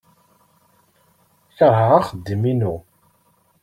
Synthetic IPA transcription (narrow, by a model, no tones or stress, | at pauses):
θəʁʕaχəd̪ːiminu